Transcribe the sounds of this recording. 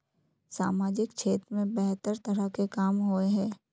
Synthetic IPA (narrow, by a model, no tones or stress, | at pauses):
saːmaːd͡ʒɪkt͡ʃʰeːt̪ɾmẽbɛɦt̪əɾt̪ɐɾəkekaːmɦoeɦɛ̃ː